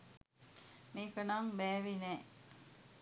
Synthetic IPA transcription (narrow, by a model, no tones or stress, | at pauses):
meːkənaŋbɛːʋinɛː